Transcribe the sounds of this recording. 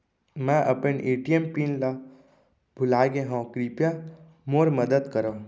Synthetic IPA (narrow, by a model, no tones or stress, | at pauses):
mãʔəpənʔeʈiempinla | bʱulaːɡẽɦãːkɾipjã | moːɾməd̪əd̪kəɾõ